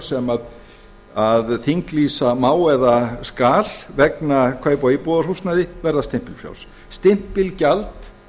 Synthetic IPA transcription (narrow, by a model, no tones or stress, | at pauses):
sɛmað | aðθiŋkliːsamaːwɛðaskaːlvɛknakʰvaːjpɔipɔðaɾr̥ust̪naðɪvɛɾðast̪ɪm̥pɪlfja̰wls | st̪ɪm̥pɪlcalt̪